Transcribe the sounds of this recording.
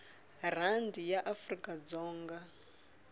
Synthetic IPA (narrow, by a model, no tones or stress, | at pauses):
r̤andijaʔafrikʼad͡zɔːŋɡa